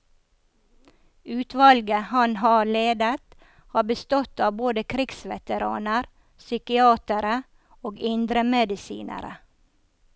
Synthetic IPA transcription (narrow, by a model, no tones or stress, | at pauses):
ʉːt̪ʋɑlɡəhɑnhɑːleːd̪ət̪ | hɑːbəst̪ɔt̪ɑːboːd̪əkʰɾɪksʋɛ̰t̪əɾɑ̰ːnəɾ | sʏkɪɑːt̪əɾə | oːɡɪnd̪ɾəmɛd̪ɪsḭːnʔə̰ɾə̰